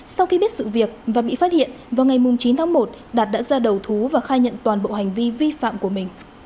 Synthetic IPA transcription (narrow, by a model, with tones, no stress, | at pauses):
sa˧wxi˧ɓi˦˥ət̚sɨ̰˧˨vi˨˩ək̚vaː˨˩ɓḭ˧˨faː˦˥t̚hḭ˧˨ənvaː˨˩wŋa˨˩jmʊ˨˩ŋ͡mt͡ɕi˨˦nt̪ʰaː˨˦ŋmo˨˩t̚ | ɗaː˨˩t̚ɗa̰ː˧˥zaː˧ɗə˨˩wt̪ʰu˨˦vaː˨˩xaː˧jɲə̰˧˨nt̪waː˨˩nɓo̰˧˨ha˨˩jŋ̟vi˧vi˧fa̰ː˧˨mku˧˩əmï˨˩ŋ̟